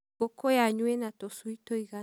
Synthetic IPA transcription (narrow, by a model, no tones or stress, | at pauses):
ɔkɔjaɲwenatɔsuitoiɣa